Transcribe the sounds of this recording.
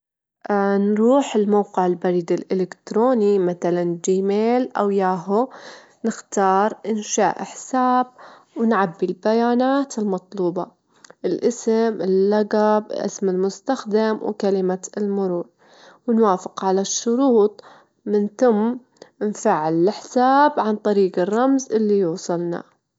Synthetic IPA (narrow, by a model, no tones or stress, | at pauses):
ʔnɾuːħɪlmawqɪʕɪlbaɾiːd̪ɪlʔɪlɪkt̪ɾoːnimaθaland͡ʒiːmeːlʔa̰wjaːɦʊ | nɪxt̪ɑːɾˤʔɪnʃaːʔɪħsaːb̚ | wɪnʕabːilbajaːnaːt̪ɪlmɑt̪ˤluːbɑ | ʔɪlʔɪsɪmɪlːaɡablʔɪ̰smɪlmʊst̪axd̪amwkalɪmaɪlmʊɾuːɾ | wɪnwaːfɪqʕalaʃːʊɾuːt̪ˤ | mɪnθʊm | ɪnfaʕɪlɪlɪħsaːbʕant̪ˤɑɾiːɡɪrˤːɑmzʔɪlːijuːsˤɨlna̰